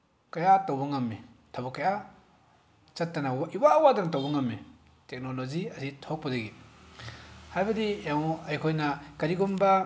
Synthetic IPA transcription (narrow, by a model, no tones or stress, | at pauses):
kɐjatawbɐŋɐmːi | tʰabukɐja | t͡ʃɐtːɐnawʔiwawadɐnɐtawbaŋɐmːi | tek̚noloziɐsitʰok̚pɐdɐɡi | hajbɐdijawɐjkʰojnɐkɐɾiɡumba